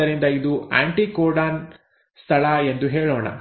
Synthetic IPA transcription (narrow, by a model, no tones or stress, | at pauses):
ɐɾind̪ɐid̪ua̰ːɳʈiːkoːɾɖaːn | st̪ʰɐɭɐend̪uɦeːɭɔːɳɐ̰